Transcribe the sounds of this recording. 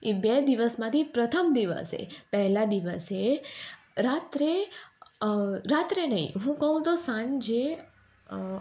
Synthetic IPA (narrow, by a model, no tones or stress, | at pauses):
ebed̪iʋəsmãt̪ʰipɾət̪ʰəmd̪iʋə̰sḛpɛɦlad̪iʋəse | ɾat̪ɾe | ɾat̪ɾenəḭ̃ɦũkəɦũt̪osãnd͡ʒe